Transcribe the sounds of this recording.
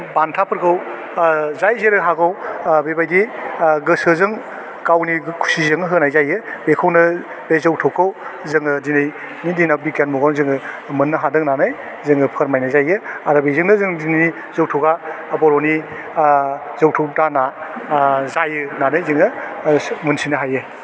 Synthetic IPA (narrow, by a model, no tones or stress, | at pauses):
bantʰapʰɯɾkʰɯw | zajzeɾɯɦaɡʰawbebajdiɡɯsɯzɯŋ | kawnikʰu̥sizɯŋɯɦɯnajzajɯbekʰɯwnɯ | b̥ezɔwtʰɔkʰːawzɯŋɯdinɯj | nidinabikenmuɡawnzɯŋɯ | mɯnːɯɦadɯŋnanɯj | zɯŋɯpʰəɾmajnajzajɯaɾabezɯŋnɯzɯŋdini | zɔwtʰɔɡaː | bɔɾɔni | zawtʰɔwtana | zajɯnanɯjzɯŋɯ | mɯnsinɯɦajɯ